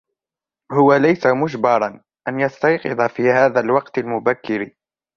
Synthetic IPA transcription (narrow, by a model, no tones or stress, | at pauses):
hʊwalajsamʊd͡ʒbɑɾˤɑn | ʔanjast̪ɑjqɨd̪ˤafiːhaːðalwɑqt̪almʊbakːɪɾi